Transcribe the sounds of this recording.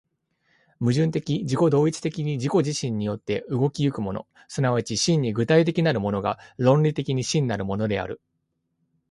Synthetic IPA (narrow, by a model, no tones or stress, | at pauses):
mɯ̟ʑɨ̃nt̪e̞kʲid͡ʑiko̞d̪o̞ːit͡si̥t̪e̞kʲiɲ̟id͡ʑiko̞ʑiɕĩɲ̟ːijo̞t̪ːe̞ɯ̟ɡo̞kʲiɯ̟kɯ̟mo̞no̞̰ | sɨnaβat͡ɕiɕĩɲ̟ːiɡɯ̟t̪ait̪̬e̞kʲinaɾɯ̟mo̞no̞ɡa̰ɾõ̞nɾʲit̪e̞kʲiɲ̟iɕĩnːaɾɯ̟mo̞no̞d̪e̞a̰ɾɯ̟̰